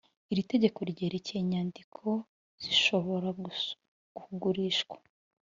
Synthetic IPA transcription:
iɾite̞ɟe̞ko̞ɾɟe̞ːɾe̞ceɲaːndikʰo̞ | z̥iʃo̞βo̞ɾa | ɡ̥uhuɡuɾiːʃɡwḁ

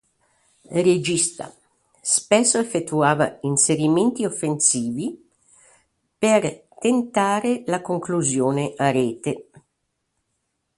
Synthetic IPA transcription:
red͡ʒist̪a̰ | spɛsːoefːet̪ːuaːva̰inseɾiment̪iofːensiːvi | pert̪ent̪aːɾelakoŋkluzjoːneʔarɛːt̪e

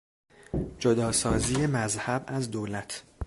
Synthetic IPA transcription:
d͡ʒod̪ɒːsɒːziːjemæzhæbæzd̪oːlæt̪ʰ

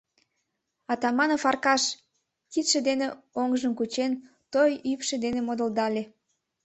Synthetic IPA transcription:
ɑt̪ɑmɑnəfɑrkɑʃ | kit̪ʃĕd̪eneoŋʒəmkut͡ɕen | t̪ojypʃed̪enemod̪ə̆ld̪ɑlʲe

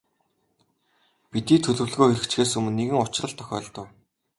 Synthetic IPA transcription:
pit̪iːt̪ʰɵɮɵ̆wɮɣoːxeɾɘ̆kt͡ɕɡeːsɵmɘ̆nːeɣɘ̆ŋʊt͡ɕɪ̆rə̆ɮt̪ʰœ̥xʲœ̰ːɮt̪ə̆w

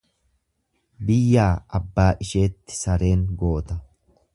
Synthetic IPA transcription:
bɪjːaːɐbːaːʔɪʃe̞ːt̪ːɪ̥sɐɾe̞ːŋɡo̞ːt̪ɐ

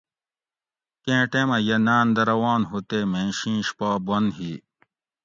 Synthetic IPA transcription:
kẽːʈẽːmɐjɐnaːnd̪ɐɾɐwaːnɦut̪eːmẽːnɕĩːɕpaːbɐnɦiː

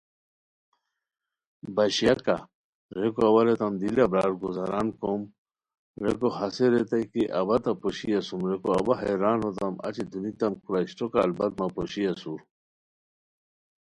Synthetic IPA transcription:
bɐɕijaka̰ | ɾekoɐwaɾet̪ɐmd̪ilabɾaːɾɡozaɾaːnkom | ɾekohɐseɾet̪ajkiʔɐbɐt̪ɐpoɕijɐsumɾekoɐbaɦeɾaːnot̪ɐmɐ̰t͡ɕid̪unit̪ɐmkʰuɾaistoka̰ːlbɐt̪̚mapoɕijasuɾ

